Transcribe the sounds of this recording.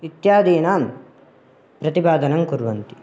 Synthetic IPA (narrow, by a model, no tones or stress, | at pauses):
it̪jaːd̪iːnaːm | pɾɐt̪ibaːd̪ɐnɐŋkuɾʋɐnt̪i̥